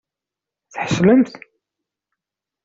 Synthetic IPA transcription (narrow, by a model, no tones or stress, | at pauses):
θħə̥ʃləmθ